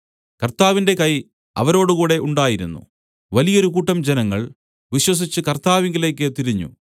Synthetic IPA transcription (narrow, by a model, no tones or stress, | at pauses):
kɐrt̪aːʋinde̞kɐj | ɐ̰ʋɐɾo̞ːɽukuːɽe̞ʔuɳɖaːjiɾunːṵ | ʋɐlijɐo̞ɾukuːʈːɐmd͡ʑenɐŋːɐɭ | ʋiɕwɐs̬it͡ɕːɨkɐrt̪aːʋiŋɡile̞ːkːɨt̪iɾiɲːṵ